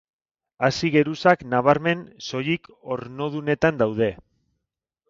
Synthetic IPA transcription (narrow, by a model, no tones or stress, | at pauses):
asiɣe̞ɾusaknaβ̞aɾme̞nso̞jik | o̞ɾno̞ð̞une̞t̪and̪awð̞e̞